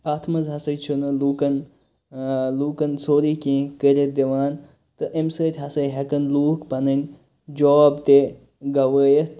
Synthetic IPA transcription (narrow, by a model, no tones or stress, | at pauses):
aːt̪ʰmɐzɦɐsɐjt͡ʃʰunɨluːkɐn | luːkɐnsoːɾiːkĩːkəɾʲed̪iʋaːn | t̪ɨʔemsəːt̪ʲɦɐsɐjɦɐkɐnluːkpɐnɐnʲ | d͡ʒɔːbt̪e | ɡɐʋəːjɐt̪